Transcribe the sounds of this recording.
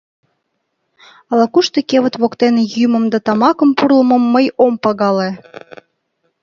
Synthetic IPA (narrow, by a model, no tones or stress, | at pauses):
ɑlɑkuʃt̪ekʲeβə̆t̪βokt̪enejymə̆md̪ɑt̪ɑmɑkə̆mpurlə̆mɤ̆mːəjompɑɣɑle